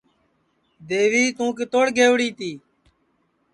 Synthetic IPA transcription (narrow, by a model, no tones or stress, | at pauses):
d̪eːʋiːt̪ũːkeːt̪oːɽɡʱeːʋɽiːt̪iː